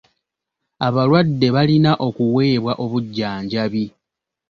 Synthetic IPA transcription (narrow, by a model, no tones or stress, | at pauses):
aβalwadːe̞βalinaʔo̞kuwe̞ːβwaʔo̞βuɟːaːɲɟaβi